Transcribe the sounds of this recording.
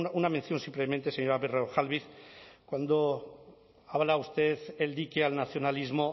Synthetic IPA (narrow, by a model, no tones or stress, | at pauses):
nunamenθjo̞nsimplement̪eseɲoɾaβereoxalβiθkwand̪o | aβlaust̪eθeld̪ikealnaθjo̞nalizmo